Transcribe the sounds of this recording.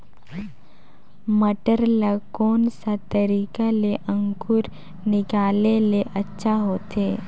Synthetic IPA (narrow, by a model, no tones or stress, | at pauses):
məʈəɾlakoːnsat̪əɾiːkaleʔə̃ŋkʊɾ | nɪkaːleleʔɐtːʃʰaɦoːt̪eː